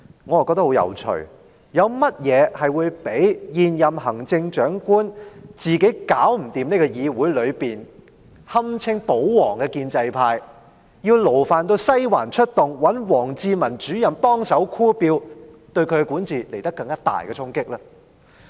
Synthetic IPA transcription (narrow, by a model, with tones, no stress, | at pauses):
ŋɔː˨˧jkɔ˧k̚t̪ɐ˥hwjɐ̰˨˩wt͡ʃʰɵ̰˨˩ | jɐ˨˧wmɐ˥t̚jɛː˨˧hɐ˨jwuː˨˧jpe˨˥jjiː˨njɐ˨mhɐ˨˩ŋt͡sɪ˧ŋt͡ʃœː˨˥ŋkuː˥nt͡siː˨ke˨˥jkaː˨˥wm̩˨˩t̪iː˨mneː˥kɔː˧jiː˨˧wuː˨˥jlɵ˨˧ɥpiː˨n | hɐ˥mt͡sʰɪ˥ŋpo˨˥wwɔː˨˩ŋkɛ˧kiː˧nt͡sɐ˧jpʰaː˧j | jiː˧wlo˨˩wfaː˨nt̪o˧wsɐ˥jwaː˨˩nt͡ʃʰɵ˥t̚t̪ʊ˨˩ŋwɐ˨˥nwɔː˨˩ŋt͡siː˧mɐ˨˩nt͡ʃyː˨˥jɐ˨˩mpɔː˥ŋsɐ˨˥wkʰuː˥piː˧wt̪ɵ˧ɥkʰɵ˨˧ɥkɛ˧kuː˨˥nt͡siː˨˩le˨˩jt̪ɐ˥kːɐ˧ŋkaː˥t̪a̰ː˨˩jkɛ˧t͡sʰʊ˥ŋkɪ˥k̚lɐː˥